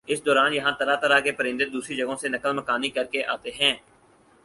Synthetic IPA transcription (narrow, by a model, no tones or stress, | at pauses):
ɪsd̪ɔːɾaːnjɐɦãt̪ɐɾat̪əɾakepəɾɪ̃nd̪ɪt̪̚d̪uːsɾid͡ʒɐɡõsenɐkəlməkaːnikɐɾkeʔaːt̪eɦɛ̃ː